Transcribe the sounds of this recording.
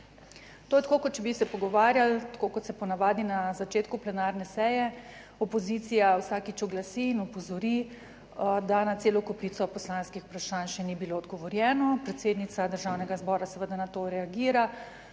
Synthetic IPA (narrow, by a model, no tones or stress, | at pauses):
t̪oːjɛt̪akokɔt̪̚t͡ʃɛbisɛpɔɡɔʋaːɾjalt̪ḁkokɔt̪sɛpɔnaʋaːd̪inazat͡ʃet̪kuplɛnaːɾnɛsɛːjɛ | ɔpɔzit̪sijawsaːkit͡ʃɔɡlasiːnɔpɔzɔɾi | d̪anat̪seːlɔkɔpɾit̪sɔpɔslanskixu̥pɾaʃaːnʃɛnibiloːd̪ɡɔʋɔɾjɛːnɔpɾɛt̪seːd̪nit̪sad̪əɾʒawnɛɡazbɔːɾasɛʋəd̪anat̪oɾɛaɡiːɾa